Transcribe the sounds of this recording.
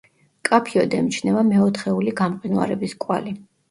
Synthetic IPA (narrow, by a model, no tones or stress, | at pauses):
kʼapʰiɔd̪ɛmit͡ʃʰnɛvamɛɔt̪ʰχɛuliɡamqʼinua̰ɾɛbiskʼwa̰li